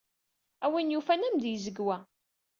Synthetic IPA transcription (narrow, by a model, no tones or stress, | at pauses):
æwinjufænæmd̪jəzəɡwæ